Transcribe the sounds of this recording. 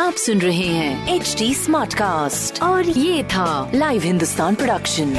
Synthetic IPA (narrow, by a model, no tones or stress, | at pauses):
aːpsʊnɾɐɦeɦɛ̃ːeːt͡ʃʈiːsmaːɾʈkaːsʈɔːɾjeːt̪ʰalaːɪʋɦɪ̃nd̪ʊst̪aːnpɾoɖɐkʃə̃n